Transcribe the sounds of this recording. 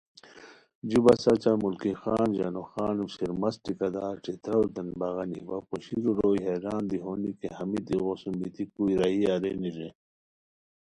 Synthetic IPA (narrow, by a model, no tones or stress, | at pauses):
d͡ʑibɐsɐt͡ɕamulkixaːnd͡ʑɐ̰noxaːnsiɾmɐsʈikɐd̪aːʈ͡ʂit̪ɾɐwɾd̪ɐnbɐɣɐnḭwɐpoɕiɾuɾoːjɦeɾaːnd̪iɦonikehɐmit̪iɣosumbit̪ikuiɾɐiaɾḛniɾe